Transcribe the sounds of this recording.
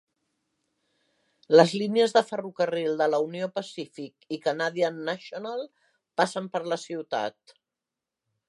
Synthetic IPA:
ləzliniəzðəfərukərilˠd̪ələuniopəsifikikanaðiənːaʃonalˠ | pasəmpəɾləsiwt̪a̰t̪

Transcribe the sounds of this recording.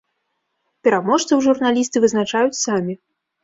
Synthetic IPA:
pʲɛɾamɔʂt̪sɐwʐurnalʲist̪ɨvɨznat͡ʂajut͡sʲsamʲi

